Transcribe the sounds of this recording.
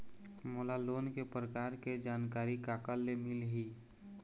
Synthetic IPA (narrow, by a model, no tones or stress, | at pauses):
moːlaloːnkepɾəkaːɾked͡ʒaːnkaːɾikaːkəlːemɪlɦiː